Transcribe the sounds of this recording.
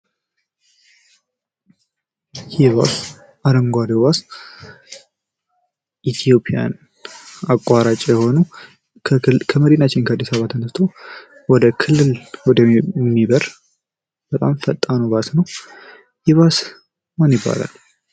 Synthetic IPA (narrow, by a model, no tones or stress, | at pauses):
jɪβa̰s | ʔaɾəŋɡʷad̪eβas | ʔit̪ʰijo̞pʼija̰n | akʼːaɾat͡ʃʼjɛho̞nu | kʰəməɾinat͡ʃːɪnkʰəad̪ːisaβat̪ʰːənəst̪ʰow | wɔd̪əkʰɨlːɨlwɔd̪əmibəɾ | b̥ət̪ʼamfət̪ʼːanəwbasnəw | jɪβas | manjɪbːa̰la̰l